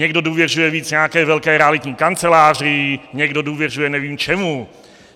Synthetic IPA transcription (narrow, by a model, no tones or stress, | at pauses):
ɲɛɡdo̞duːvjɛrujɛviːt͡sɲɛakɛːvɛlkɛːɾɛalɪt̪ɲiːkant͡sɛlaːr̝ɪɲɛɡdo̞duːvjɛr̝ujɛnɛviːmt͡ʃɛmu